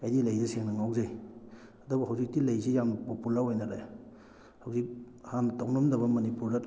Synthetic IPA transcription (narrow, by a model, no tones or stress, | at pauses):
kajdilajdɐseŋnɐŋawzaj | ɐdobɐɦawzik̚tilajsijamnɐpopulɐɾojnadaj | hawzik̚ | hantawnomdɐβɐmɐnipuɾdat